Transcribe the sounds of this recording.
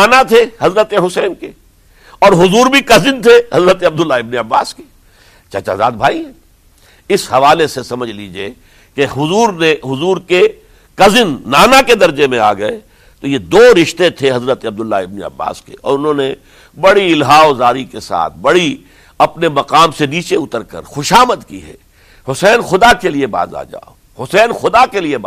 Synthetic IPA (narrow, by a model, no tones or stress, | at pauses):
aːnat̪ʰeɦɐzɾət̪eɦʊsɛːnke | ɔːɾɦʊzuːɾbʱikɐzɪnt̪ʰehɐzɾət̪eɐb̚d̪ʊlːaɪbniɐbːa̰ːske̥ | t͡ʃɐt͡ʃa̰ːzaːd̪̚bʱaːiɦɛ̃ː | ɪshɐʋaːlesesɐməd͡ʒʱliːd͡ʒie | keɦʊzuːɾneɦʊzuːɾke | kɐzɪnːaːnaked̪ɐɾd͡ʒemẽa̰ːɡɐe | t̪ojed̪oːɾɪʃt̪et̪ʰeɦɐzɾət̪ɐb̚d̪ʊlːaɪbniɐ̰bːa̰ːskḛɔ̰ːɾʊnɦõːne | bɐɽiɪlɦaːozaːɾikesa̰ːt̪ʰbɐɽi | ɐpnemɐqaːmseniːt͡ʃeʊt̪əɾkɐ̰ɾxʊʃaːməd̪kḭɦɛ̰ː | hʊsɛːnxʊd̪akelieba̰ːza̰ːd͡ʒa̰ːo | hʊsɛːnxʊd̪akelieb